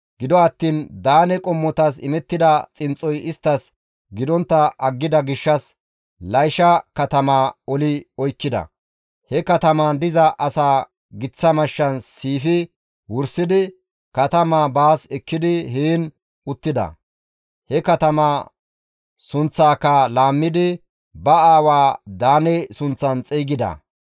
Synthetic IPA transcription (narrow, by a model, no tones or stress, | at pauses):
ɡ̥ɪd̪ɔɐt̪ːiːnd̪aːnɛkʼɔmːɔt̪ɐsɪ̰mɛt̪ːɪd̪ɐt͡sʼɪnt͡sʼːɔjɪst̪ːɐs | ɡɪd̪ɔnt̪ːɐʔɐɡːɪd̪ɐɡɪʃːɐs | lɐjʃɐkɐt̪ɐmaːɔlɪɔjkːɪd̪ɐ̰ | hɛkɐt̪ɐmand̪ɪzɐʔɐsaː | ɡɪt͡sːɐmɐʃːɐnsiːfɪ | wʊɾsɪd̪ɪ | kɐt̪ɐmaːbaːsɛkːɪd̪ɪɦeːn | ʊt̪ːɪd̪ɐ̰ | hɛkɐt̪ɐmaː | sʊnt͡sːaːkːɐlaːmːɪd̪ɪ | bɐaːwaːd̪aːnɛsʊnt͡sːɐnt͡sʼiːɡɪd̪ɐ̰